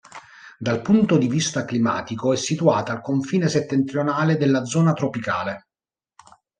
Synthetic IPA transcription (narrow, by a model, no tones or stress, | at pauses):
d̪alpunt̪od̪ivist̪aklima̰ːt̪ikoɛsːit̪uaːt̪aːlkoɱfiːneset̪ːent̪ɾionaːled̪elːad̪zɔːnat̪ɾopika̰ːle